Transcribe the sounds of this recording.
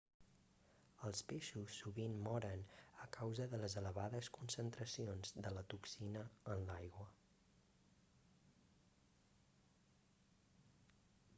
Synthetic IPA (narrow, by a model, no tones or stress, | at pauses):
əlˠspeʃusːuβinmɔɾənəkawzəðələzələβaðəskunsənt̪ɾəsionzðələt̪uksinəːnlajɣwə